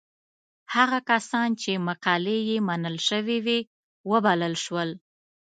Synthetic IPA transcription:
haɣakasɑnt͡ʃemaqɑlejemanəlʃəwewe | wəbaləlʃwəl

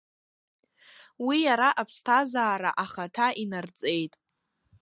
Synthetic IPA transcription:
wijaɾaʔapʰstʰazaːɾa̰ʔaχatʰaʔinart͡sʼe̞jtʼ

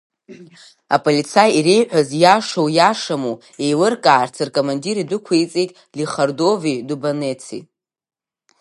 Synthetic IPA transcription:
apʼolit͡sʰajiɾe̞jħʷᶣazjaʂowjaʂamu | ejlɨrkʼaːrt͡sʰɨrkʼomandiɾidʷɨkʷʰejt͡sʼejtʼ | liχardo̞vidubanet͡sʰḭ

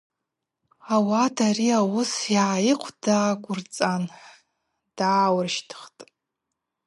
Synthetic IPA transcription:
awadariawʊsjajɪqʷʰd̥aːɡʷʼʊrt͡sʼanħ | d̥aːwrʃtʰɨ̥χtʼ

